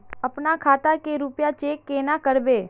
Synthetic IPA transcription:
əpnakʰaːt̪akeɾʊpjat͡ʃeːkːenakəɾbeː

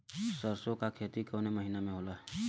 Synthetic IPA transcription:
səɾsõkakʰeːt̪ikoːneməɦiːnamẽɦoːla

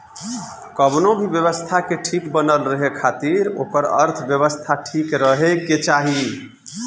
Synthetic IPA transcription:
kəbnobʱibjəβəst̪ʰakeʈʰikbənəlɾəɦekʰat̪iɾo̰kəɾə̰ɾt̪ʰbjəβəst̪ʰaʈʰikɾəɦekːet͡ʃaɦi

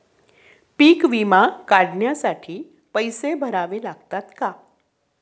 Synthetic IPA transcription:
piːkʋimakaɽɳjasaʈʰiː | pəjsebʱəɾaʋelaɡt̪at̪ka

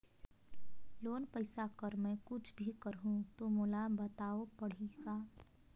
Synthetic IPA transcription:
loːnpəɪsakəɾmɛ̃kʊt͡ʃʰbʱikəɾɦũt̪omolabɐt̪aːopɐɽ̤iɡaː

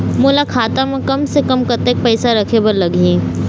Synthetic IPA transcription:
moːlakʰaːt̪amẽkɐmsekɐmkɐt̪ek̚pɛɪsaɾɐkʰebɐɾlɐɡẽː

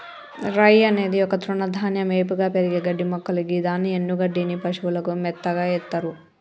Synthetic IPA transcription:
ɾɐjɐne̞ːd̪iɔkɐt̪ɾuɳɐd̪ʱaːnjɐmeːp̬uɡaːpeɾiɡeːɡɐɖːimɔkːɐlukid̪aːnːienːuɡɐɖːinipɐʂuʋulɐkumɛt̪ːɐɡaːjɛt̪ːɐɾu

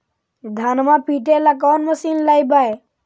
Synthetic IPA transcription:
d̪ʱaːnmapiːʈelak̬ɔːnməsiːnlajbae

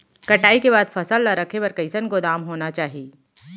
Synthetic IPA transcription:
kɐʈaːikebaːd̪fʰɐsəlːaɾɐkʰepɐɾkəɪsənkod̪aːmɦoːnat͡ʃaːɦieː

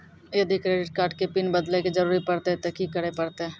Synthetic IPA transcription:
jɐd̪ʱikɾeːɖɪʈ̚kaːʈkepinbəd̪leked͡ʒəɾuːɾipɐɽt̪et̪eːkikːəɽepəɽt̪eɛ

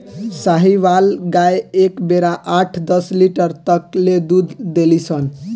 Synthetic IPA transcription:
saɦiʋalɡajekbeɾaʔaʈʰd̪ʌsliʈəɾt̪əkled̪ud̪ʱd̪elisʰən

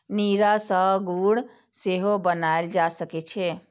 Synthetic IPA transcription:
niɾasəɡuɽ | seɦobənaeld͡ʒasəkɛt͡ʃʰɛ

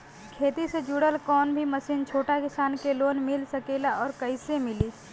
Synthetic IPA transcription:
kʰeːt̪ised͡ʒuːɽəlkɔːnbʱimɐsiːnt͡ʃʰoːʈakɪsaːnkeloːnmɪlsɐkeːlaɔːɾkəɪsemɪli

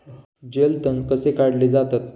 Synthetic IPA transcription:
d͡ʑelt̪ənkəsekaɽled͡zat̪at̪

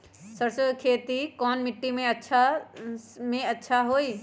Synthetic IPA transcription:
sɐɾsəkʰeːt̪ikɔːnmɪʈːimẽɐtːʃʰa | mẽɐtːʃʰaɦoːiː

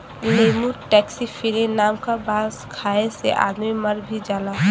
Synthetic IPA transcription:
leːmuʈɛːksifʰiɾinaːmkabaːskʰaːesḛʔa̰ːd̪miməɾbʱid͡ʒaːlaɦ

